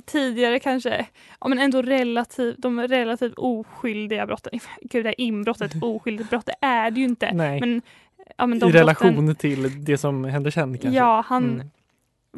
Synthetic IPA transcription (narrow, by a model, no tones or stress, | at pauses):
t̪ʰiːd̪ɪɡaɾəkʰanʂə̰ | ɑ̰ːmɛnɛnd̪oːɾɛlːat̪ʰiːvd̪ɔmɾɛlːat̪ʰiːvuːɧʏld̪ɪɡabɾɔt̪ːənɡʉ̟ːd̪ɛhæɾʔɪmbɾɔt̪ːət̪uːɧʏld̪ɪt̪̚bɾɔt̪ːd̪ɛʔæɖɛjʉɪnt̪ə̰nɛmɛn | ɑ̰ːmɛnd̪ɔɾɛlaɧuːnəʈʰɪld̪ɛsɔmhɛnd̪əʂɛnd̪kʰajɑːhan